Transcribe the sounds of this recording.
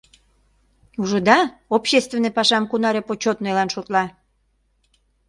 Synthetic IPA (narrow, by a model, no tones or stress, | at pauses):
uʒŏd̪ɑopɕest̪venːepɑʃɑmkunɑɾepot͡ɕot̪nojlɑnʃot̪lɑ